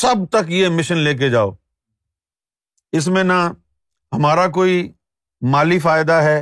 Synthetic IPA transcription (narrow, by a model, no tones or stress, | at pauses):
sɐb̚t̪əkjemɪʃənleːk̬ed͡ʒaːo̰ː | ɪs̬mẽnɐ | ɦɐmaːɾak̬oːi | maːlifaːɪd̪aɦɛː